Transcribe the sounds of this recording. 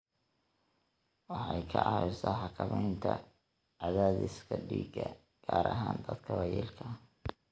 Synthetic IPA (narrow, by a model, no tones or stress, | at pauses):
wɑħɑjkʰɐʕɑɪsɐħɑkʰɐmɛjnt̪ʰɐ | ʕɑðaːðɪskʰɐɖiːɡɐ | ɡ̥aːɾɐɦaːnd̪ɐd̪kʰɐwɐjɛːlkʰɐ